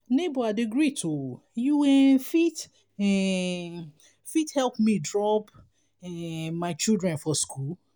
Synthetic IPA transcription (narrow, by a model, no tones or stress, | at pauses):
nebɔadiɡɹitʰo | juwɛ̃fit | ɛ | fithɛlpmĩdɹɔp | ɛmaɪt͡ʃildɹɛ̃nfɔskʰul